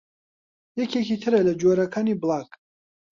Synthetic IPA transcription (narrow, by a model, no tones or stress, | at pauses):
jɛkʰɛkʰit̪ʰɨɾɛlɐd͡ʒuɔɾakʰaːniblakʰʼ